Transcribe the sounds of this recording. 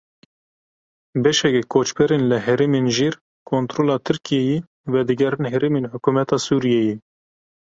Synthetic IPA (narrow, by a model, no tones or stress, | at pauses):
bɛʃɛkɛkʰoːt͡ʃbɛɾeːnlɨɦɛɾeːmenʒiːɾ | kʰont̪ɾoːlɑːt̪ʰɨɾkʰijɛje | vɛd̪ɨɡɛɾɨnɦɛɾeːmeːnhʊkumɛt̪ʰɑːsuːɾijɛje